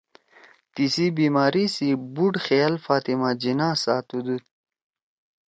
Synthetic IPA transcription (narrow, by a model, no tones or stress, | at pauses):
t̪isibiːmaːɾisibuɖxejalfaːt̪imad͡ʑinaːsaːt̪ud̪ut̪